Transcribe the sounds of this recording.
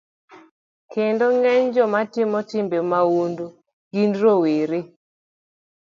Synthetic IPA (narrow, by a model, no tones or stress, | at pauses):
kendoŋɛɲd͡ʒɔmatɪmɔtɪmbemawundo | ɡ̥indɾoweɾe